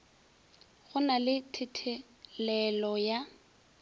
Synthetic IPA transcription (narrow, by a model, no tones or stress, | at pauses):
ɣʊnalɪtʰɪtʰɪ | lɛlɔja